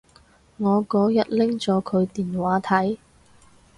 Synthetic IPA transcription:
ŋɔː˨˧kɔː˨˥jɐ˥t̚lɪ˥ŋt͡ʃɔː˨˥kʰɵ˨˧ɥt̪iː˨nwaː˨˧˥t̪ʰɐ˨˥j

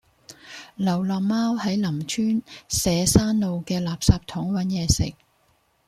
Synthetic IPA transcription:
lɐ˨˩wlɔː˨k̚maː˥whɐ˨˥jlɐ˨˩mt͡ʃʰyː˥nsɛː˨˧saː˥nːo˨˧wkɛː˧laː˨p̚saː˧p̚t̪ʰʊ˨˥ŋwɐ˨˥njɛː˨˧sɪ̰˨k̚

